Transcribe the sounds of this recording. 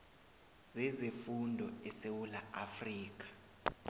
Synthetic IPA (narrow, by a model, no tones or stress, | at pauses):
z̥ɛzefundʱɔɛsewulaʔafriːk̬ʼḁ